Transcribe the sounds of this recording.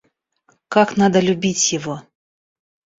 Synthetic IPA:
kaknad̪ɐlʲubʲit͡sʲjɪvɔ

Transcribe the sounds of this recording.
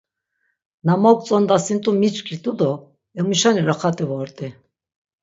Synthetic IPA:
namɔk̚ʼt͡sʼɔnd̪asint̪ʼumit͡ʃkʰʼit̪ʼud̪ɔ | ɛmuʃaniɾaχat̪ʼivɔɾt̪ʼi

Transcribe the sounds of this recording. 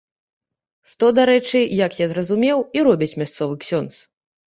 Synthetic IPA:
ʂt̪ɔd̪aɾɛt͡ʂɨjakjazrɐzumʲɛwiɾɔbʲit͡sʲmʲast̪sɔvɨksʲɔnt̪s

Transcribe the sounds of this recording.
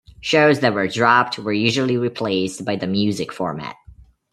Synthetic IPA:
ʃoʊzðɨt̚wə˞dɹɑp̚t̚ʰwə˞jʉʒul̩ˠiɹipʰl̥eɪsbaɪðɨmjʉzɨkfɔɹmæ̰t̚

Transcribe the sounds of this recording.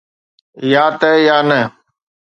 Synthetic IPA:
jaːt̪əjaːnə

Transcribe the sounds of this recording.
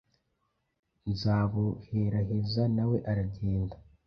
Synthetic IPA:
nzaːβoheɾaɦezanawe̞ʔaɾaɟeːnda

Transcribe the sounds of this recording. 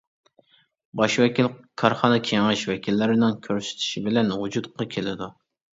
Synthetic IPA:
bɑʃwɛkʲilkʰɑɾχɑnɨkʲʰeŋɨʃwɛkʲʰilːɪɾɪnɪŋkʲʰøɾsy̥t̪ʰɪ̥ʃibɪlɛnud͡ʒut̪qɑkʲʰelɪd̪u

